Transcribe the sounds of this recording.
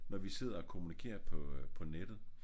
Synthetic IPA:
nɒʋise̝ð̞̰ˠɐɒkʰo̝munikʰe̝̰ːɐpʰɒ̽pʰɒ̽ned̥ð̩ˠ

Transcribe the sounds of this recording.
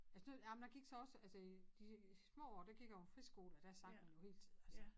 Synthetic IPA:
ælsənojæmnd̥æɡ̥iɡ̥sɒ̽ɒ̽sælsəid̥ismɔ̰ːɒ̰ːd̥æɡ̥iɡ̥jɑofʁisɡ̥o̝ːlæd̥æsɑ̈ŋ̥mænjo̝he̝̰ːlt͡sʰið̰̩ˠælsə

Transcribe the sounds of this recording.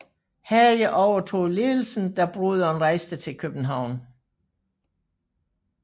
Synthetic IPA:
hæjəʔɒʊɐt͡sʰo̝̰ːð̩ˠleːl̩sn̩d̥ɑ̈b̥ʁuðˠɒ̽nʁɑ̈ɪsd̥ət͡sʰe̝lkʰøb̥n̩ɦɑ̈ʊ̰n

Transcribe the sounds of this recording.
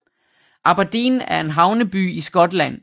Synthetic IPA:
ʔɑ̈b̥æd̥ḭːnæɐe̝nɦɑ̈ʊnəb̥y̰ːisɡ̥ɒ̽d̥læn̰

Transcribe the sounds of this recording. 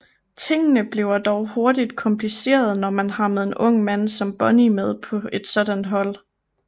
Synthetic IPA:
t͡sʰe̝ŋ̰ənəb̥le̝ʊɐd̥ɒʊho̝ɐd̥id̥kʰɒ̽mpʰlise̝̰ːɐð̞̩ˠnɒmænhɑ̈meðˠe̝nʔɔ̽ŋ̰mæn̰sɒ̽mb̥ɒ̽nimeð̞̰ˠpʰɒ̽e̝d̥sɒ̽d̥ænɦɒ̽l̰

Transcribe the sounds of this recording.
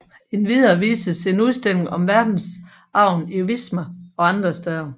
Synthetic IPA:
e̝nʋiðˠɐːʋḭːsəse̝nuðˠsd̥eme̝ŋɒ̽mʋæɐd̥n̩s | ʔɑ̈ʊ̰niuʋismɐɒ̽ɑ̈nd̥ʁɐsd̥ɛðˠɐ

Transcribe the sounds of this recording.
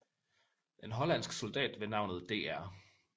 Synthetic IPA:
e̝nɦɒ̽læn̰sɡ̥sɔ̽ld̥ɛ̰ːd̥ʋe̝nɑ̈ʊnð̞̩ˠd̥e̝̰ːæɐ̰

